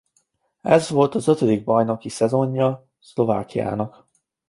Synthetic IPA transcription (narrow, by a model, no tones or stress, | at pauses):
ɛzʋo̞lt̪ɒzø̞t̪ø̞d̪iɡ̚bɒjno̞kisɛzo̞ɲːɒ | slo̞va̰ːkija̰ːnɒk